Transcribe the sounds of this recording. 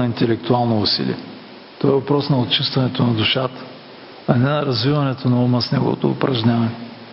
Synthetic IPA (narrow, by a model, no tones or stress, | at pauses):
ɐint̪ɛlɛk̚t̪ʊalˠnoʊsḭlḭɛ | t̪ɔvaɛvɐpɾɔsnɐot̪t͡ʃist̪vɐnɛt̪onɐd̪ʊʃat̪ə̥ | ɐnɛnɐɾɐzvivɐnɛt̪onɐuməsnɛɡʊ̰vo̰t̪o̰ːpɾɐʒɲʲavɐnɛ